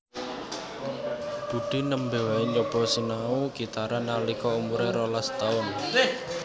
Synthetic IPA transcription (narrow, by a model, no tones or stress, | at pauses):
b̥ṳɖ̪̥i̤nəmbe̤waiɲd͡ʒɔb̥ɔ̤sinauɡit̪aɾanalikɔumuɾeɾɔlast̪aʊn